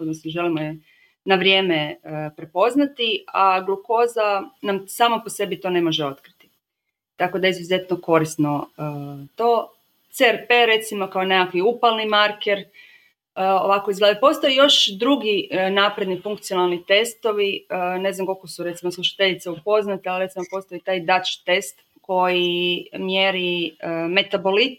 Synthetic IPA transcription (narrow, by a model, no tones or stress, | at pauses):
od̪nosnoʒe̞limoje | naʋɾje̞ːmeəpɾepo̞znat̪iaɡlˠuko̞zanamsaːmopose̞bit̪o̞ne̞mo̞ʒeo̞t̪kɾit̪i̥ | t̪ako̞d̪aizʋʲjize̞t̪noko̞ɾisno̞ət̪o̞ː | t̪seɾpe̞ɾe̞t̪simo̞kaonekakʋiupalnimaɾkeɾ | əo̞̰ʋakoizɡled̪epo̞st̪ojejo̞ʃd̪ɾuɡinapɾe̞d̪nifuŋkt̪sijo̞nalˠnit̪e̞st̪o̞ʋiəne̞znamko̞lˠko̞suɾe̞t̪simoslˠuʃḁt̪e̞ʎit̪seupo̞znat̪ealɾet̪imopo̞st̪ojit̪aːjd̪at͡ʃt̪e̞st̪ | ko̞jimjeɾiəme̞t̪abolit̪